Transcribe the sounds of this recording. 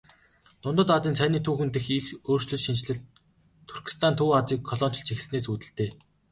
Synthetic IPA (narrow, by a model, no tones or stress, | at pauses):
t̪ʊnt̪ə̆t̪at͡s̪iːnt͡sʰæniːt̪ʰuːxɘ̆nt̪exixoːr̥t͡ɕɮɵ̆t͡ɕʃint͡ɕɮɘ̆ɬt̪ʰː | urkʲi̥st̪ʰant̪ʰuːat͡siːkʰːɔɮɔːn̥t͡ɕɞ̆ɬt͡ɕʰix̆sneːsuːt̪ɘ̆ɬt̪eː